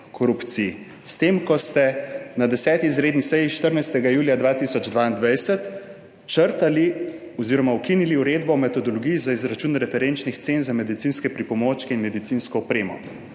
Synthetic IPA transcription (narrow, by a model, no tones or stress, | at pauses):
kʰɔɾupt̪si | st̪eːmkɔst̪ɛnad̪ɛsɛːt̪iːzɾeːd̪nisɛjiʃt̪əɾnajst̪ɛɡajuːljad̪ʋaːt̪isɔd͡ʒd̪ʋaːind̪ʋajsət̪ | t͡ʃəɾt̪ali | ɔziːɾɔmawkiniliuɾeːd̪bɔmɛt̪ɔd̪ɔlɔɡijizaizɾat͡ʃuːnɾɛfɛɾent͡ʃnixt̪senzamɛd̪it̪sinskɛpɾipɔmoːt͡ʃkɛinmɛd̪it̪siːnskɔɔpɾeːmɔ̰